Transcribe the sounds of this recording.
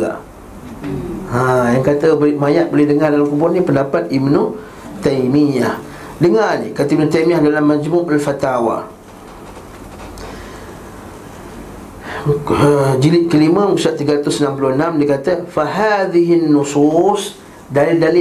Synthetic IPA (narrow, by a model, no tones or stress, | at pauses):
a̰ʔ | ajaŋkat̪əbolmajaʔ̪̚bolɪhdəŋardalamkubʊnĩpəndapat̪̚imnu | t̪ajmijah | dəŋanikat̪əibnut̪ajmiahdalamːad͡ʒmʊalfat̪awa̰ | əd͡ʒilɪʔ̚kəlimə̃musaʔt̪ːiɡaɾat̪ʊsənãmpuluhənamdikat̪əfaɦaðiɦinːusus | dalɪldali